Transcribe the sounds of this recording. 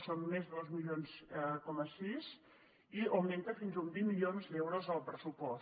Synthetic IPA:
sonmezðozmiʎonsəkɔməsiz | iəwment̪əfinzumbimːiʎonzd̪ewɾozəlˠpɾəsupɔ

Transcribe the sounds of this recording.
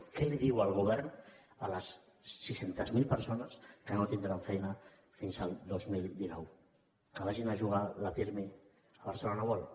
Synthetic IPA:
kɛliðiwalˠɣ̞uβ̞ɛɾn | aləsː | isent̪əzmilˠpəɾsonəskənot̪ind̪ɾaɱfɛjnə | finzalˠd̪ozmild̪inɔw | kəβ̞aʒinaʒuɣ̞alapiɾme | aβaɾsəlonaβɔl

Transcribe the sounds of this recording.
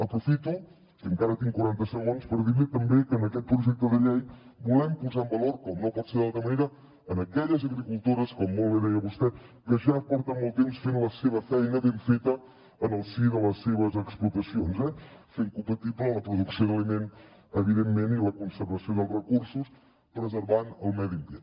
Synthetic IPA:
əpɾufit̪u | kiəŋkaɾət̪iŋkuɾant̪əsəɣonspəɾðiwit̪əmbekəːnəkɛt̪̚pɾuʒɛk̚t̪əðəʎejbulɛmpuzaəmbəloɾkɔmnopɔt̪seɾðalˠt̪ɾəməneɾə | ənəkɛʎəzəɣɾikulˠt̪oɾəskɔmːolˠβeðɛjəβust̪ɛkəʃapɔɾt̪əmɔlˠt̪emsfenləseβəfɛjnəβeɱfet̪əː | nəlˠsiðələseβ̞əzəksplut̪əsionzɛfeŋkumpət̪iplələpɾuðuksioðəlimen | əβ̞iðemːeniləkunsəɾβəsioðəlˠrəkursus | pɾəzəɾβanəlˠmɛðipiə

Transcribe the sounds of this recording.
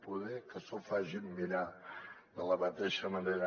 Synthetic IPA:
puðɛkəsofaʒimmiɾaðələmət̪eʃəməneɾə

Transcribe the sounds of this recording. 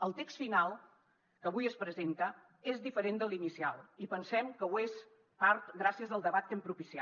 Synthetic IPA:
əlˠt̪ekst̪finalˠ | kəβujəspɾəzent̪ə | ezðifəɾend̪əlˠinisialˠipənsɛmkəwes | paɾt̪ɣɾasiəzðəlˠd̪əβ̞at̪̚ːempɾupisia

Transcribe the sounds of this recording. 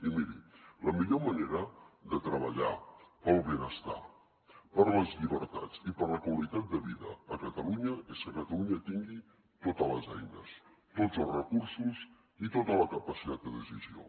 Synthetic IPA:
imiɾiləmiʎoməneɾəd̪ət̪ɾəβ̞əʎapəlˠβenəst̪a̰ | pəɾləzʎiβəɾt̪a̰t͡sipəɾləkwəlit̪at̪̚d̪əβiðəəːkət̪əluɲəeskəkət̪əluɲət̪iŋɡi | t̪ot̪ələzɛ̰jnəs | t̪od͡zəlˠzrəkursuz | it̪ot̪ələkəpəsit̪at̪̚d̪əðəsizio̰

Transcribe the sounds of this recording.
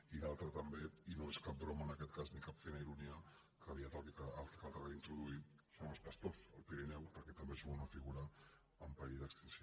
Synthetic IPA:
ilalˠt̪ɾət̪əmbeinoeskap̚bɾomənəkɛt̪kaznikapfejnaiɾuniə | kəβiat̪at̪ikəalt̪əkalˠt̪aɣeint̪ɾuðuit̪ | soəspəst̪osəlˠpiɾinɛwpəɾkɛt̪ɐmbezuɣounəfiɣuɾəː | mpəɾiðəkst̪insjo

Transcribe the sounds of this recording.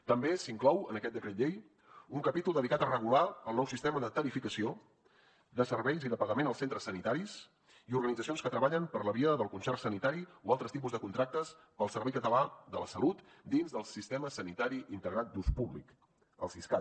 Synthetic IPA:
t̪əmbesiŋklɔwənəkɛt̪̚d̪əkɾet̪ʎej | uŋkəpit̪ulˠd̪əðikat̪ərəɣ̞ulaəlˠnɔwsist̪eməðət̪əɾifikəsio | d̪əsəɾβɛjziðəpəɣəmenəlˠsent̪ɾəsənit̪aɾis | iuɾɣənidd͡zəsionskət̪ɾəβaʎəmpəɾləβiəðəlˠkunsɛrsənit̪aɾioalˠt̪ɾəst̪ip̬uzðəkunt̪ɾak̚t̪əs | pəlˠsəɾβɛjkət̪əlaðələ̰səlut̪ | d̪inzðəlˠsist̪ɛməsənit̪aɾiʔint̪əɣɾat̪̚d̪uspuβlḭk | ə̰lˠsiska

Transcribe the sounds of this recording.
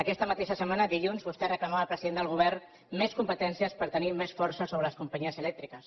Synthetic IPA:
əkɛst̪əmət̪eʃəsəmanəd̪iʎunzβust̪ɛrəklamaəːlˠpɾəziðend̪əlˠɣuβ̞ɛrn | meskumpət̪ɛnsiəspəɾt̪ənimesfɔɾsəsoβɾələskumpəɲiəzəlɛk̚t̪ɾikəs

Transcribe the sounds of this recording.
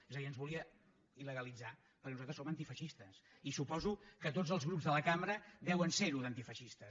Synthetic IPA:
ezəðiənzβuliə | iləɣəlid͡za | pəɾkɛnuzalt̪ɾəsomənt̪ifəʃist̪əs | isupɔzukət̪̬od͡zəlˠzɣɾupzðələkamɾəd̪ɛwənseɾuðənt̪ifəʃist̪ə

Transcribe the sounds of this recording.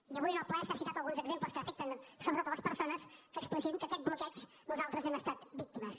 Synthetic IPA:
iəβujnoplɛsasit̪at̪əlˠɣunzəɡzempləskəːfɛk̚t̪ənsoβɾot̪oləspəɾsonəskəːksplisimkəːkɛt̪̚blukɛt͡ʃ | nuzalˠt̪ɾəznɛməst̪at̪bik̚t̪iməs

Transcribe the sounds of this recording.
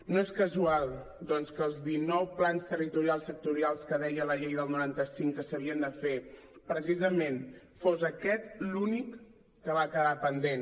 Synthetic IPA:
noeskəzualˠ | d̪ɔnskəːlˠzðinɔwplanst̪ərit̪uɾialˠsːək̚t̪uɾialˠskəðɛjələʎejðəlˠnuɾant̪əsiŋkəsəβiənd̪əfepɾəs̬izəmen | fozəkɛt̪lunikː | əβaːkəβapənd̪en

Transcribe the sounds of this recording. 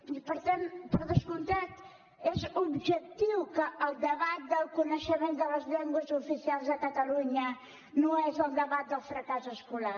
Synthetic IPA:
ipəɾt̪ãnpɔɾðəskũnt̪at̪ | ɛzuβʒek̚t̪iwkəːlˠd̪əβat̪̚d̪ɐlkunɐʃɐmẽnt̪d̪ɐlɐzʎɛŋɡwɐzufisialˠzðɐkɐt̪ɐluɲɐ | nõw̃ɛzɐlˠd̪əβat̪̚d̪ɐlˠfɾɐkasueskula

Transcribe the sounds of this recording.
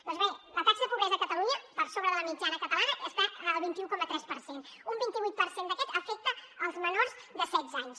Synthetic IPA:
d̪ɔnzβelət̪aksəəpuβɾɛzəkət̪əluɲəpəɾsoβɾəðələmid͡ʒanəkət̪əlanəʔəst̪aəlˠβint̪iukɔmət̪ɾɛspəɾsenumbint̪iβit̪̚pəɾsend̪əkɛt̪əfɛk̚t̪əəlˠzmənoɾzd̪əsɛd̪zaɲs

